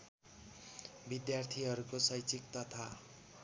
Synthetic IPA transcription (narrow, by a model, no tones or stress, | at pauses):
bid̪jart̪ʰiɦʌɾukosʌjt͡sik̚t̪ʌt̪ʰa